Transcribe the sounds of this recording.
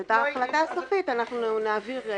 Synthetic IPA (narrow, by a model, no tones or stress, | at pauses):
et̪aːχlat̪asofit̪anaχnunaaviʁ